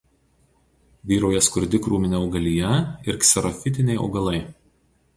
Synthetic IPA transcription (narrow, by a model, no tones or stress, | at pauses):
ʋʲiːɾɐʊjɛskʊɾʲd̪ʲɪkɾuːmʲɪnʲɛɒʊɡɐlʲijɛɪɾksʲɛɾɔfʲɪt̪̬ʲɪnʲɛɪɒ̰ʊɡɐlˠɐɪ